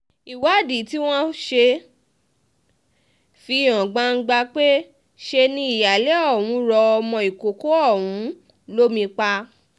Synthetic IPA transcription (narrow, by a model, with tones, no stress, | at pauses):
i˨wa˨˦˨di˨˦ti˦w̃ɔ̃˦ʃe˧ | fi˧˨ɔ̃˨ɡ͡bã˧ŋ̩˦ɡ͡ba˧k͡pe˦ | ʃe˧nĩ˦i˦˨ja˨le˨˦ɔ˦˨wũ˨˦ɾɔ˧ɔ˧mɔ̃˧i˨ko˨ko˦ɔ˦˨wũ˨˦ | lo˦mĩ˧k͡pa˧